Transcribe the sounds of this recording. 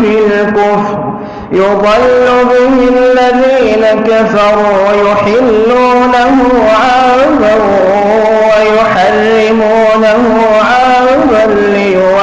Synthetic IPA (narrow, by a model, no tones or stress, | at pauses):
hɪllkʊfɾ | jʊðˤɑlːʊbɪɦɪlːaðiːnakafɑɾˤuːjʊħɪlːuːnaɦʊ | ʕa | zaɾu | wajʊħarːɪmuːnahʊ | ʕa | ðalːɪj